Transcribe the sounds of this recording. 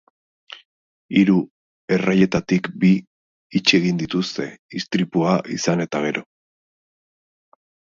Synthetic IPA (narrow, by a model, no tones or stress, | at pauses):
iɾu | e̞raje̞t̪at̪ikbiː | t͡ʃeɣind̪it̪ust̪e̞ist̪ɾipuaʔḭsane̞t̪aɣ̞e̞ɾo̞